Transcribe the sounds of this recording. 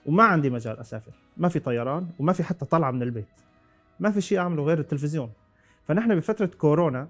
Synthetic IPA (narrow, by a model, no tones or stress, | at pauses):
wmaʕand̪imad͡ʒaːlʔasa̰ːfɪɾ | mafit̪ˤɑjːɑɾˤɑːnwmafiħat̪ːaɑt̪ˤɑlʕɑmɪnɪlbeːt̪ | mafiʃiːʔaʕmaluɣeːɾɪt̪ːɪlfɪzjoːn | fanɪħnabɪfat̪ɾˤɑkoɾoːna